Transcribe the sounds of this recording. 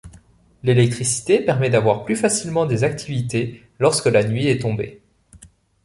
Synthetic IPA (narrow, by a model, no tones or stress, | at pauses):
lelɛk̚t̪χisi̥t̪epɛʁmɛd̪avwaʁplyfasilmɑ̃d̪ezak̚t̪ʰivit̪e | lɔʁskəlanɥiɛt̪ɔ̃bḛ